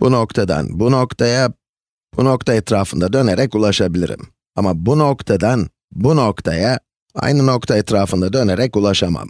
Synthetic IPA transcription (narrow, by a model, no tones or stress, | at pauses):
b̥uno̞kt̪ʰad̪a̰nbuno̞kt̪ʰaja | buno̞kt̪ʰaɛt̪ɾaːfɯnd̪ad̪ø̞neɾɛckulˠaʃabilʲḭɾḭm | amabuno̞kt̪ʰad̪an | buno̞kt̪ʰaja | a̰jnɯno̞kt̪ʰaɛt̪ɾaːfɯnd̪ad̪ø̞neɾɛkulˠaʃama̰m